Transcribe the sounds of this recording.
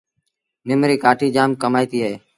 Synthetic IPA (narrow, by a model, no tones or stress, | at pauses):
nɪmɾiːkaːʈʰiːd͡ʒaːmkəmaːiːt̪iːɦəeː